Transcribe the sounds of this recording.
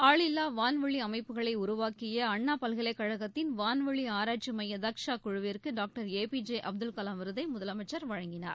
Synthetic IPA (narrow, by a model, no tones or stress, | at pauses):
aːɭɪlːaːʋaːnʋɐɭiɐmɐɪpːɯɣɐɭɐɪʊɾʊʋaːkɪjɐɐɳːaːpɐlɣɐɪlɐɪkːɐɻɐɣɐt̪ːɪnʋaːnʋɐɭiaːɾaːʈ̚t͡ʃimɐjɐd̪ɐkʂaːkʊɻɯʋɪrkɯɖaːk̚ʈɐɾeːpid͡ʒeʔɐb̚d̪ɯlkɐlaːmɪɾɯðɐɪmʊðɐlɐmɐɪt͡ʃːɐɾʋɐɻɐŋɡɪna̰ːɾ